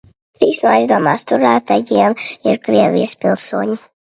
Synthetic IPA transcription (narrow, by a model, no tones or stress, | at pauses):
t̪ɾiːsnuajzd̪uɔmaːst̪uɾæːt̪aɡiɛnḭɾkɾiɛvʲḭjəspʲilˠsuɔɲi